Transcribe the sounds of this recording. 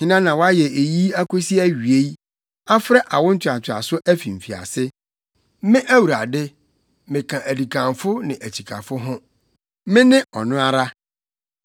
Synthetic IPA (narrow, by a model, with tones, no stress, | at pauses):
ɲɪ̃˦nã˦nã˨wɔ˦a˦jɛ˨e˨ji˦æ˦kʰo˦si˦æ˦ɥɥe˦j | a˦fɾɛ˦ʔa˨wʊ̃˦n̩˦t͡ɕʰᶣa˨t͡ɕʰᶣɪ˨a̰˨sʊ˦ʔæ˦fi˨m̩˨fi˨a̰˨sɪ˦ | mɪ̃˦ʔæ˦wu˨ɾa˨dɪ˦ | mɪ̃˨kʰã˨ʔæ˨di˨kʰã˨mfʊ˦nɪ̃˨ʔæ˨t͡ɕʰi˨kʰa̰˨fʊ˦ɦʊ̃˦ | mɪ̃˦nɪ̃˦ʔɔ˨nʊ̃˦a˦ɾa˦